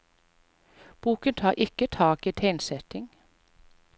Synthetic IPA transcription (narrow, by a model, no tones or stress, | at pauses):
b̥uːkənt̪ʰɑːʁʔɪkət̪ʰɑːkiːt̪ʰeɪnsɛt̪ɪŋ